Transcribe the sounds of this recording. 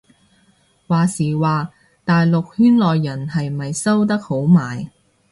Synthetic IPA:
waː˨siː˨˩waː˨ | t̪aː˨jlʊ˨k̚hyː˥nlɔː˨jːɐ˨˩nhɐ˨jmɐ˨jsɐ˥wt̪ɐ˥k̚ho˨˥wmaː˨j

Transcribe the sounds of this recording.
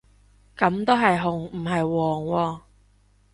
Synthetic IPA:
kɐ˨˥mt̪o˥wɦɐ˨jɦʊ˨˩ŋm̩˨˩ɦɐ˨jwɔː˨˩ŋwɔː˧

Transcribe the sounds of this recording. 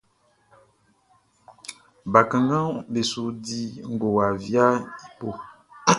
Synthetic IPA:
ba˨kã˨ŋ˦ɡã˦be˨su˦di˦ŋ̩˦˨ɡo˨wa˨vi˦a˦i˨po˦˨

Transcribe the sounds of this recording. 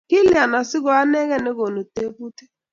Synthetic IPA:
kɪ˦li˨a˨na˨sɪ˦ɡɔ˨a˦ne˦ɣe˦ne˦ɡo˨no˨te˦pu˦te̥˦

